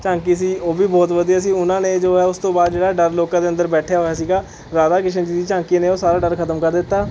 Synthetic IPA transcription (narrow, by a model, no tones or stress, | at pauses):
t͡ʃãːŋkiːs̬iːoːbiːbɔːt̪ʋəd̪iːjaːs̬iːʊnãːnẽːd͡ʒoːɦɛːʊst̪õːbaːd̪̚d͡ʒeːɽaːɖəɾloːkãːd̪eːə̃nd̪əɾbɛːʈʰejaːɦoaːsiːɡaː | ɾaːd̪aːkɪt͡ʃʰənd͡ʒiːd̪iːt͡ʃãːŋkiːneːoːsaːɾaːɖəɾkʰət̪əmkəɾd̪ɪt̪ːaː